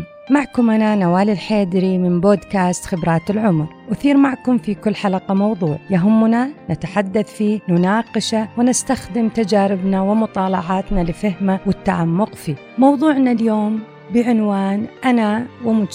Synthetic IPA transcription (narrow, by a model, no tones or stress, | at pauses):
maʕkʊmʔananawaːlɪlħeːd̪ɾimɪnboːd̪kaːst̪xɪbɾˤɑːt̪ɪlʕʊmɾ | wɪθiːɾmaʕkʊmfikʊlːħalaqamɑwðˤuːʕjaɦʊmːʊnanat̪aħad̪ːaθfiːnʊnaːqɪʃawɪnɪst̪axd̪ɪmt̪ad͡ʒaːɾɪbnawɪmʊt̪ˤɑːlɑʕɑːt̪nalɪfahmawɪt̪ːaʕamːʊqfiː | mɑwðˤuːʕnaljoːm | bɪʕɪnwaːnʔanawɪmʊ